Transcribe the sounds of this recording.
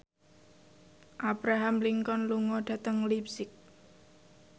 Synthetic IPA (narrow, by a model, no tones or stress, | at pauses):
ʔab̥ɾaɦamliŋkɔnluŋɔɖ̥ä̤t̪əŋlipsɪk̚